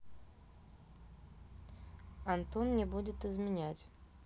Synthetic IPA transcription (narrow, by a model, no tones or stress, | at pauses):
ant̪ɔnnʲɛbud͡zʲɛt̪ɨzʲmʲinʲat͡sʲ